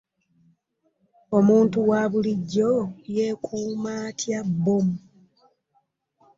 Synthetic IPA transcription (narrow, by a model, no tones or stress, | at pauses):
o̞muːntuwaːβuliɟːo̞jeːkʰuːmaːtʰjabːomu